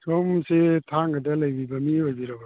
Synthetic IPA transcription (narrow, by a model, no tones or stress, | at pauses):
somsetʰaŋɡadalajbibamiojbiɾaba